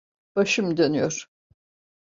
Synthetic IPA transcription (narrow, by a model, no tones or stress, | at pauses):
b̥aʃɯmd̪ønyjoɾ̥